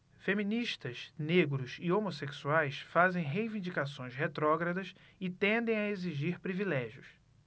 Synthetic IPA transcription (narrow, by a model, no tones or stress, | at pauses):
femĩniʃt̪ɐsneɡɾʊsɪomoseksuajsfazẽj̃ɦejvĩnd͡ʒikasõj̃shet̪ɾɔɡɾɐd̪ɐs | ɪt̪ẽnd̪ẽj̃aeziʒiɾpɾivilɛʒiʊs